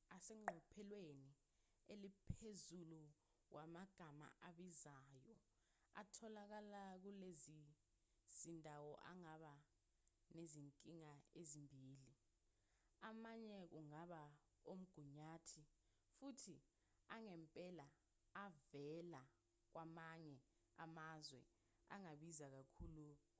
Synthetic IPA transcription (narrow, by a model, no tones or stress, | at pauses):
asɛŋ͡ǃʱɔpʰɛlweni | elipʰezulu | wamaɡ̥ʱama̰ʔaɓizajɔ | a̰tʰɔlak̬alak̬ulezi | z̥indʱawɔʔa̰ŋaɓa | neziŋkʼiŋaezimbʱiːli | amaɲɛk̬uŋaɓa | om̩ɡ̥ʱuɲaːtʰi | futʰi | aŋɛmpʼɛla | avɛla | k̬wamaɲɛa̰mazwɛ̰ | a̰ŋaɓizak̬akʰuːlu